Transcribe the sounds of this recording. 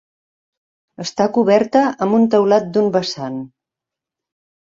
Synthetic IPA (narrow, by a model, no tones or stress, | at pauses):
əst̪akuβɛɾt̪əəmbunt̪əwlat̪̚d̪umbəsan